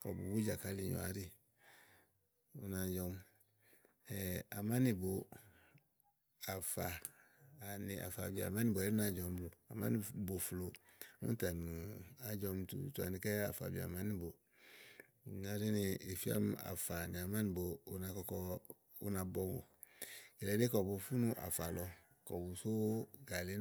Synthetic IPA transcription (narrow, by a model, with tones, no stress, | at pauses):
kɔ˨bṵ˨bu˦d͡ʒa˨ka˦li˦˨jɔ̰˨a̰˨ɾi˦ | u˨na˨d͡ʒɔ˦m | ɛ˨a˨ma˦nɪ˨bo˨ | a˨faː˨ | nɪ˨ʔa̰˨fa˨bḭ˨mã˦ni˦bo˨˦ɾi˦na˨d͡ʒɔ˨m˦blo˨a̰˨mã̰˦ni˨bo˨flo˨˦ṵ̃˦ta˨nu˨a˨d͡ʒɔ˧m˨tṵ˨tu˨a̰˨nɪ˨kɛ˦a˨fa̰˨bi˨a̰˨ma˦ni˦bo˨ | na˨ɾi˦nɪ˨e˨fi˦a̰˦m˦a̰˨fa˨nɪ˨a˨ma˦nɪ˨boː˨˦na˧kɔ˦kɔ˦ | ṵ˦na˨bɔ˦ŋo̰˨ | ɛ˨lɛ˨˦de˦kɔ˨bo˨fu˦nũ˦ʔa̰˨fa˨lɔ˨ | kɔ˨bu˨so˦ɡa˨le˦